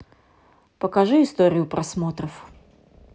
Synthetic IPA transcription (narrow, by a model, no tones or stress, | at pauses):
pəkɐʐɨɪst̪o̞ɾʲɪjʊpɾʔɐsmot̪ɾəf